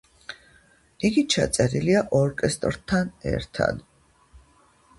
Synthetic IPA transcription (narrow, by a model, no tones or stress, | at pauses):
iɡit͡ʃʰa̰t̪sʼɛɾiliaʔɔɾkʼɛst̪ʼɾt̪ʰanɛ̰ɾt̪ʰa̰d̪